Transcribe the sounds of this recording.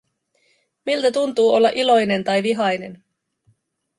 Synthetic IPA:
milt̪æt̪unt̪uːo̞lːɑʔilo̞jne̞nt̪ɑjʋiɦɑjne̞n

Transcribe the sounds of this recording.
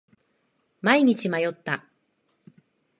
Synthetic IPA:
maiɲ̟it͡ɕimajo̞t̪ːa

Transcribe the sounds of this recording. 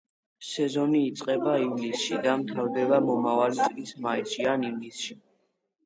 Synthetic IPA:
sɛzɔniːt̪sʼqʼɛbaivlisʃid̪amt̪ʰaɾd̪ɛbamɔmavalikʼismaisianivlisʃi

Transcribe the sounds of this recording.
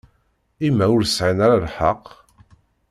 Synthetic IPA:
imːæʊɾsʕinaɾalħəqː

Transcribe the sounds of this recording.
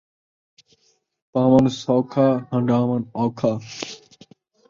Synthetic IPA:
paːmɐnsoːkʰaːhɐ̃ɳɖaːmɐnɔːkʰaː

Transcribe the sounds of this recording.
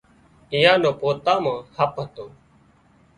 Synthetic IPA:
ɪjãːnõːpoːt̪aːmãːhəpɦət̪oː

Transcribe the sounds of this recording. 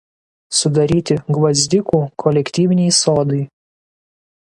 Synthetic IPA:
sʊd̪ɐɾʲiːt̪ʲɪɡʋɐzʲd̪ʲɪkuːkʰɔlʲɛkʲt̪ʲiːʋʲɪnʲɛɪsoːd̪ɐɪ

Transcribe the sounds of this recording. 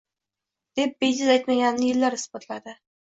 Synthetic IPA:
d̪̥e̞p̚bed͡ʒɪzajt̪maɡʲannɪjɪlːaɾɪsbɒt̪ʰlad̪ɪ

